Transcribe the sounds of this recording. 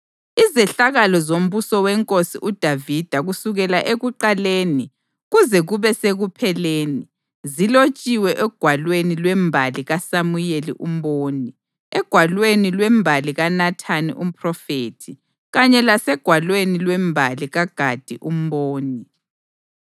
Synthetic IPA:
izɛɬaɣalɔzom̩busɔwɛŋkʼosiʔud̥ʱavid̥ʱaɣusuɣɛlaʔeɣuǃaleːni | ɣuzɛɣuβɛseɣupʰɛleːni | zilot͡ʃʼiwɛʔɛɡ̥ʱwalwenilwɛmbʱaliɣasamujelḭʔum̩boːni | ɛɡ̥ʱwalwenilwɛmbʱaliɣanatʰanḭʔum̩pʰʼrɔfeːtʰi | ɣaɲɛlasɛɡ̥ʱwalwenilwɛmbʱaliɣaɡ̥ʱad̥ʱiʔum̩boːni

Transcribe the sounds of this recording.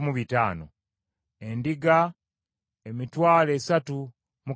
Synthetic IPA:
muβita̰ːno̰ | endiɡa | emitwaːle̞ːsatu | mu

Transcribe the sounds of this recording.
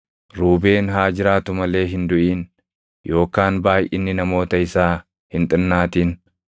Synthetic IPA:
ɾuːbe̞ːnɦaːd͡ʒɪɾaːt̪ʊmɐle̞ːɦɪnd̪ʊʔiːn | jo̞ːkaːnbaːjʔɪ̰nːɪnɐmo̞ːt̪ɐɪsaː | hɪnt̪ʼɪnːaːt̪iːn

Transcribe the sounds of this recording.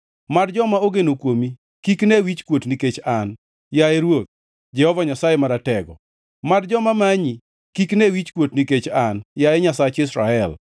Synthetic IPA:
madd͡ʒɔmaoɡenokwomi | kiknewit͡ʃkwotniket͡ʃan | jajeɾwot̪̚ | d͡ʒɛhɔvaɲasajemaɾatɛɡɔ̰ | madd͡ʒɔmamaɲi | kiknewit͡ʃkwotniket͡ʃanjajɛɲasat͡ʃɪsɾaɛl

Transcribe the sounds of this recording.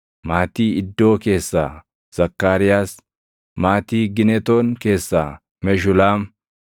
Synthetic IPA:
maːt̪iːɪd̪ːo̞ːke̞ːsːa̰ː | z̥ɐkːaːɾɪjaːs | maːt̪iːɡɪnɛt̪oːnke̞ːsːaː | mɛʃ̬ʊlaːm

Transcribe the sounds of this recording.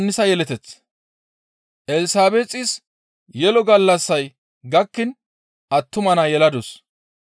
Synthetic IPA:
nːɪsɐjɛlɛt̪ɛt͡sː | ʔɛlɪsaːbet͡sʼɪs | jɛlɔɡɐlːɐsːɐj | ɡɐkːɪn | ʔɐt̪ːʊmɐnɐjɛlɐd̪ʊs

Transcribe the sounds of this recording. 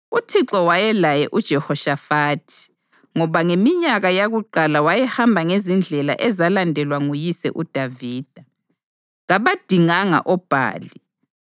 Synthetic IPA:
utʰiǁɔwajɛlajɛʔud̥ʒ̥ʱɛhɔʃafaːtʰi̥ | ŋɔβaŋemiɲaɣajaɣuǃalawajɛhambʱaŋezind͡ɮʱɛla̰ʔɛzalandʱɛlwaŋujisɛ̰ʔud̥ʱaviːd̥ʱa | ɣaβad̥ʱiŋaŋa̰ʔɔb̥ʱa̰ːli

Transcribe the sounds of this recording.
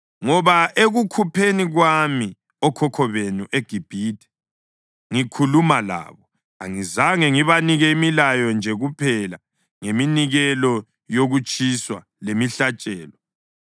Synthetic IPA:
ŋɔβaeɣukʰupʰeniɣwami | ɔkʰɔkʰɔβenuʔeɡ̥ʱib̥ʱiːtʰʼɛ̥ | ŋikʰulumala̰ːβɔ | a̰ŋizaŋɛŋiβaniɣɛimilajɔnd͡ʒʱɛɣupʰɛla | ŋeminiɣɛlɔ | joɣut͡ʃʼiswa̰ | lemiɬat͡ʃʼɛːlɔ

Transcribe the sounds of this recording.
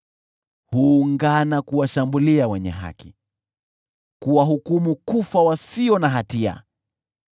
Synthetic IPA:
huːŋɡanakuwaʃambuliawɛɲɛ̰ɦa̰ki̥ | kuwaɦukumukufawasiɔnaɦatia̰

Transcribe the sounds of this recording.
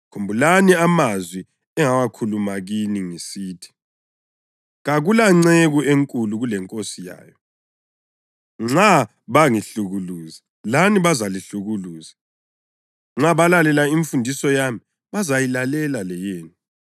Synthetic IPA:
kʰombʱulaniamazwi | ɛŋawakʰulumaɣiniŋisiːtʰi̥ | ɣaɣulaŋ͡ǀeɣuʔeŋkʼuluɣulɛŋkʼosija̰ːjɔ | ŋ͡ǁa | βaŋiɬuɣuluːzi | laniβazaliɬuɣuluːzi | ŋ͡ǁaβalalɛlaiɱfundʱisɔjami | βazajilalɛlalɛjeːni

